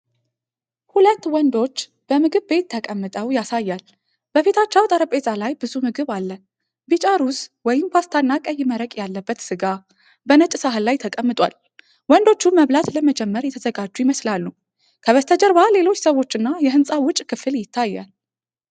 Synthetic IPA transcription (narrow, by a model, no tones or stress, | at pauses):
hulət̪ːwɔnd̪o̞t͡ʃː | b̥əmɨɡɨβbe̞t̪ʰːəkʼəmːɨt̪ʼəwjasajːal | b̥əfet̪ʰat͡ʃːəwt̪ʼəɾəpʼezʼalajbɨzumɨɡɨβalːən | bit͡ʃʼaɾuswɔjɪmpʰast̪ʰanːakʼəjːɪməɾəkʼjalːəbːət̪sɨɡa | bənət͡ʃʼsaɦɨlːajt̪ʰəkʼəmːɨt̪ʼwa̰l | wɔnd̪o̞t͡ʃːumːəβlat̪ləməd͡ʒɛmːəɾjɛt̪ʰəzəɡad͡ʒːujɪməslalːu | kʰəβəst̪ʰəd͡ʒəɾβale̞lo̞t͡ʃːsəwot͡ʃːɨnːajɛɦɨnsʼawʊt͡ʃʼkʰɨfɨljɪt̪ʰːajːa̰l